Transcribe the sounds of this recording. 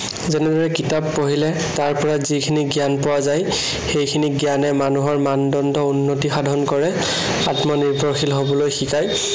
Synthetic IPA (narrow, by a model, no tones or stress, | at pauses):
zɛnɛdɔɹɛkitapːoɦilɛ | taɹpɔɹazikʰiniɡijanpowazaj | xejkʰiniɡjanɛmanuɦɔɹmandɔndɔunːotixadʱɔnkɔɹɛ | atmɔniɹbʱɔɹxilɦobɔlojxikaj